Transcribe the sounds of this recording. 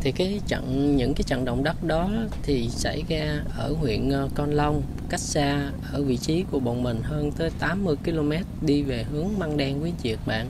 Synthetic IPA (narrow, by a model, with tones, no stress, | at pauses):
t̪ʰi˨˩kaː˨˦jt͡ɕə̰˧˨ŋɲɨ̰˧˥ŋkaː˨˦jt͡ɕə̰˧˨ŋɗə̰˧˨wŋ͡mɗə˦˥t̚ɗɔ˨˦t̪ʰi˨˩sa˧˩jzaː˧ʔəː˧˩ŋwḭ˧˨ənʔkɔ˧nlə˧wŋ͡m | ka˦˥jk̚saː˧ʔəː˧˩vḭ˧˨t͡ɕi˨˦ku˧˩əɓo̰˧˨nmï˨˩ŋ̟ɦəː˧nt̪əː˨˦jt̪aː˨˦mːɨ˧əjki˧lo˧mɛ˦˥t̚ɗi˧ve˨˩ɦɨ˨˦əŋma˧ŋɗɛ˧ŋki˨˦ənt͡ɕi˨˩ək̚ɓa̰ː˧˨nʔ